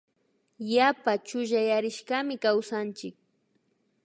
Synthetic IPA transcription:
japat͡ʃʊʒajaɾɪʃkamɪkawsant͡ʃɪk̚

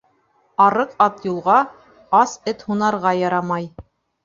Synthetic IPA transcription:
ɑɾɤqɑt̪julˠʁɑ | ɑsɘt̪hunɑɾʁɑjɑɾɑmɑj

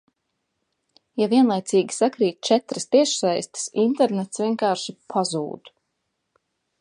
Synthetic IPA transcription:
javʲiɛnlˠajt̪siːɡʲi̥sakɾiːt̪̚ʲt͡ʃɛt̪ɾəst̪iɛʃsajst̪i̥sint̪ɛɾnɛt̪svʲiɛŋkaːɾʃipʰazṵːd̪

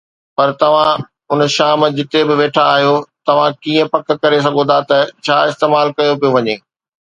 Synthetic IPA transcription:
pɐɾt̪ɐʋ̤ã | ʊnʃaːmd͡ʑɪt̪ebɪʋeːʈʰaːɦijot̪ɐʋ̤ãkiːə̃pɐk̚kɐɾes̬ɐɡʱõd̪at̪ɐt͡ɕʰaːɪst̪eːmaːlkɐjopijoʋɐɲeː

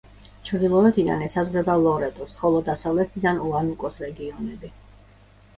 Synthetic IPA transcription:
t͡ʃʰɾd̪ilˠɔɛt̪ʰid̪a̰nɛsazʁɾɛbalˠɔɾɛt̪ʼɔsχɔlˠɔd̪asavlɛt̪ʰid̪anuanukʼɔsɾɛɡiɔnɛbi

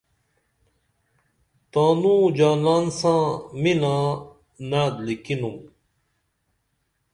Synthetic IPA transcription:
t̪aːnũd͡ʑaːlaːnsãminã | nad̪likinum

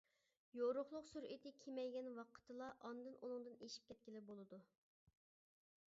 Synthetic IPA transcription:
joɾʊχlˠʊqsuɾʔit̪ʰɪkʲʰemɛjɡʲɛnwɑqʰə̥t̪ʰɨlˠɑʔɑnd̪ɨnʔunɨŋd̪ɨneʃi̥p̚kʲʰɛt̪̚kʲilɪbolˠɨd̪u

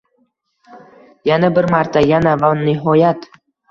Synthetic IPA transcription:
janabɪɾmaɾt̪ʰajanavanɪɦɒjat̪

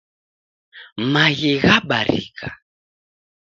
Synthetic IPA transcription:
maɣiɣaɓaɾḭka

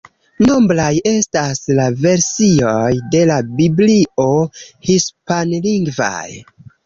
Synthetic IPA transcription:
no̞mblaje̞staslave̞ɾsiojde̞labiblio̞hispanliŋɡva̰j

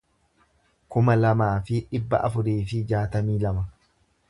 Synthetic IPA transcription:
kʊmɐlɐmaːfɪᶑɪbːɐ̰ʔɐ̰fʊɾiːfɪd͡ʒaːt̪ɐmiːlɐmɐ

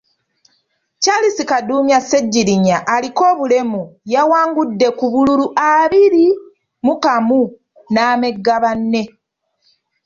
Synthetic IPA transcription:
calisikaduːmjase̞ɟːiɾiɲaʔːliko̞ːβule̞mujawaːŋɡudːe̞kuβululuʔaβiɾi | mukamu | naːme̞ɡːaβanːe̞

